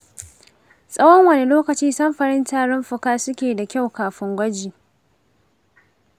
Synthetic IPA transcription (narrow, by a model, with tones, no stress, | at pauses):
sʼɐ˦wɔ˦ŋwɐ˨ne˦loː˦kɐ˨t͡ʃiː˦sɐ˦mɸɐ˨ɽɪ˦ntaː˦ɽɪ˦mɸʊ˨kaː˦sʊ˦kʲeː˨da˨kʲa˦˨wkaː˨ɸɪ˦ŋɡʷɐ˦d͡ʒiː˨